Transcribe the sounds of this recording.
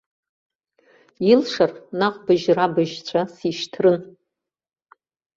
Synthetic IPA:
ilʂarnaqʼbɨʒrabɨʒt͡ɕʷʰasiʃtʰrɨn

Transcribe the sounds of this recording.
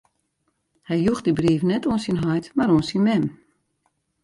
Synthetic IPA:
hɛjjuxdibriːfnɛtuənsinɦɔjtmaɾoənsinmɛm

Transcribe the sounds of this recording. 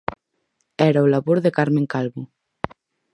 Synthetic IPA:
ɛɾaolaβoɾðekaɾmẽŋkalβʊ

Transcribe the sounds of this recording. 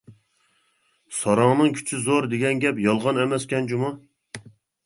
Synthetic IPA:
sɑɾɑŋnɨŋkʲʰy̥t͡ʃʰyzoɾd̪eɡʲɛnɡʲɛpjɑlˠʁɑnɛmɛskʲɛnd͡ʒumu

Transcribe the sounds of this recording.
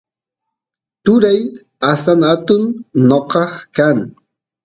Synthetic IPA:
t̪ʊɾaj | ast̪aŋat̪ʊnnoqɑχkaŋ

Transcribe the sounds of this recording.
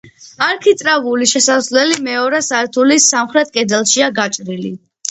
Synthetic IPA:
aɾkʰit̪ʼɾavuliʃɛsaslɛlimɛɔɾɛsaɛɾt̪ʰulisamχɾɛt̪̚ʰkʼɛd̪ɛlˠʃiaɡat͡ʃʼɾili

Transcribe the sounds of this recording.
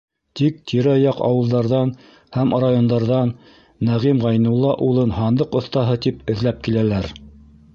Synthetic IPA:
t̪ik̚t̪ʰiɾæɑjɑqɑ̰wɤ̆lˠd̪ɑɾðɑn | hæmrajond̪ɑɾðɑnː | æʁimʁɑjnŭlˠːɑʔulˠɤnɦɑnd̪ɤqŏθt̪ɑɦɤt̪ipɘ̆ðlæp̚kilælæɾ

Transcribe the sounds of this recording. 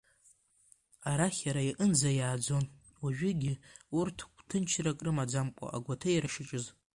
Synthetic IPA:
aɾaχʲaɾajiʔənd͡zajaːd͡zo̞n | waʒᶣʏɡʲiurtʰkʷʰʼtʰɨnt͡ʃʰrakʼrɨmad͡zamkʷʼa̰ʔa̰ɡʷatʰajɾaʂɪt͡ʃʼɨz

